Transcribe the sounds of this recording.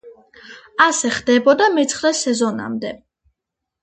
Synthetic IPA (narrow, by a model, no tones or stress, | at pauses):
asɛχd̪ɛbɔd̪amɛt̪sʰχɾɛsɛzɔna̰md̪ɛ